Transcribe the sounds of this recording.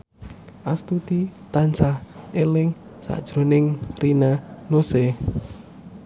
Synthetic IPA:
ʔast̪ut̪it̪ansahelɪŋ | sa̰ʔd̥ʒ̥ɾonɪŋrinanose

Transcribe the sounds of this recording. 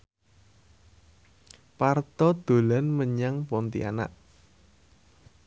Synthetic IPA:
part̪ɔd̪̥o̤lanməɲaŋpɔnt̪ḭa̰na̰ʔ

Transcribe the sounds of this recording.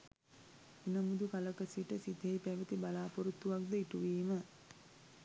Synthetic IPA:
inəmud̪ukaləkəsiʈəsid̪ʱejpæʋət̪ibalaːpoɾut̪ːuʋakd̪əiʈuʋiːmə

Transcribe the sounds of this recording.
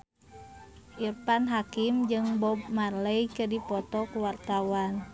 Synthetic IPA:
ʔirpanɦakimd͡ʒɨŋbɔb̚marləjkədipɔt̪ɔkuwart̪awan

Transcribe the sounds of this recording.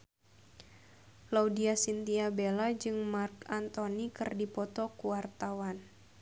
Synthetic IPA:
laudiasint̪iabelad͡ʒɨŋmarkant̪onikɨrdipɔt̪ɔkuwart̪awan

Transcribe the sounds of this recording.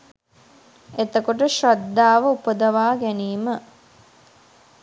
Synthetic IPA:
et̪əkoʈ̬əʃad̪ːaːʋəupəd̪ɐʋaːɡæniːmə

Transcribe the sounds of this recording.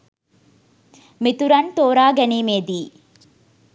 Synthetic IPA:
mit̪uɾɐnt̪oːɾaːɡɐnimeːd̪i

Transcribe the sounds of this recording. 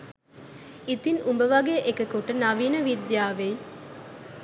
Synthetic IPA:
it̪inumbəʋɐɡeʔekəkuʈənaʋiːnəʋid̪jaːʋej

